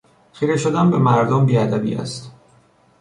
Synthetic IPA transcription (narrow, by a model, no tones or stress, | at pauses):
xiːɾeʃod̪ænbemæɾd̪ombiːæd̪æbḭːæ̰st̪